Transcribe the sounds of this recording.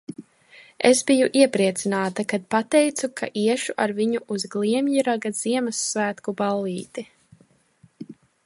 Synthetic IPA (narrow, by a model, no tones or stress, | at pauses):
ḛsbijuʔiɛpɾiɛt̪sinaːt̪akad̪̚pat̪ɛjt̪sukʰa̰ʔiɛʃuʔaɾviɲuuzɡlˠiɛmjiɾaɡaz̥iɛmasːvæːt̪kubalˠːiːt̪i